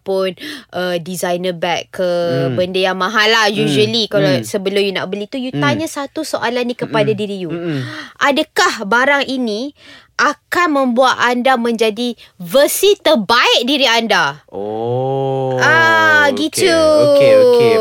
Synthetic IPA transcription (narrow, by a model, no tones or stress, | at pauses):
pʊnʔədizajnəbɛkkːəbəndəjaŋmãɦalːahjuʒəlikalasəbəlʊmjuna̰ʔbəlit̪ujut̪aɲãsat̪usoʔalanːĩkəpadadiɾijuʔadakahbaɾaŋʔinĩ | ʔakanmə̃mbuat̪andamə̃ɲd͡ʒadivəsit̪əbaɪʔ̚diɾianda | aɡitu